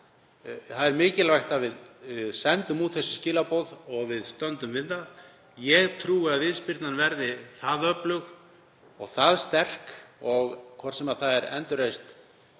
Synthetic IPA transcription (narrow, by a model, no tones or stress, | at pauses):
θaðɛɾmɪːcɪlvajxt̪avɪðsɛnt̪ʏmut̪θɛsːɪ̥scɪːlapowðɔɣvɪðst̪œnt̪ʏmvɪðːað | jɛɣt̪ʰɾuːaðvɪðspɪɾt̪nanvɛɾðɪθaðœplʏx | ɔɣθaðst̪ɛr̥kɔɣkʰvɔ̥t̪sɛmaðθaðɛɾɛ̰nt̪ʏɾejst̪